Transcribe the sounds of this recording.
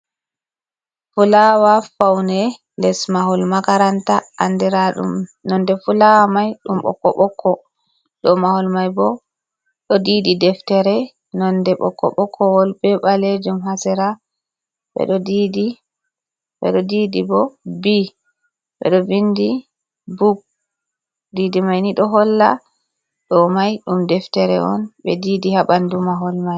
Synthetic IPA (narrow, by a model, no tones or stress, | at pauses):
fulawafawnɛ | lɛsmaɦulmakaɾantaʔandiɾaɗṵmnɔndɛfulamajɗumɓɔ̰kːɔ̰ɓɔkʰːɔ | ɗɔmahulmajbɔ | ɗɔdiːdidɛftɛɾɛ | nɔndɛɓɔ̰kːɔ̰ɓɔkʰːɔwɔlbɛɓaled͡ʒumhasɛɾa | ɓɛ̰ɗɔdidi | ɓɛ̰ɗɔdidibɔbi | ɓɛ̰ɗɔbindi | buɡ̚ | didimajniɗɔɦɔlːa̰ | ɗɔmajɗumdɛftɛɾɛʔɔnɓɛdidihaɓandumaɦɔlmaj